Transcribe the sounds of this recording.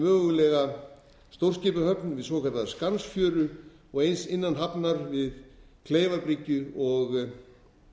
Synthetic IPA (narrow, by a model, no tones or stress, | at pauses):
mœːɣʏlɛɣa | st̪owr̥scɪːpʏhœpnvɪðsoːkʰaɾt̪aðskansfjœːɾʏ | ɔɣejnsɪnːanɦapnaɾvɪðkʰleːjvaɾpɾicːʏɔɣ